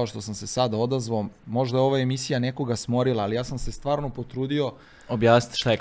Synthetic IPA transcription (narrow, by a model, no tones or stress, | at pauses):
oʃt̪o̞samse̞sad̪ao̞d̪azʋaomo̞ʒd̪ajeo̞ʋae̞misijane̞ko̞ɡasmo̞ɾilˠaːlijaːsamse̞st̪ʋaːɾno̞pot̪ɾuːd̪io̞ | objaːsni̥t̪ʃt̪ae